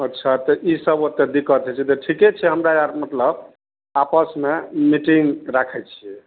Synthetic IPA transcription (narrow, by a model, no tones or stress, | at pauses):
ətːʃʰat̪ɔʔisəbot̪ːed̪ikət̪ʰɛt͡ʃʰɛt̪ɔʈʰikɛt͡ʃʰɛɦəmɾajaɾmət̪ləb | apəsmemiʈiŋɡɾakʰɛt͡ʃʰijɛ